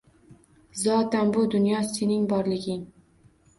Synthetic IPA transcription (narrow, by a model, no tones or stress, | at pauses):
zɒt̪anbʊd̪ʊnjɒse̞nɪŋbɒɾlɪɡʲɪŋ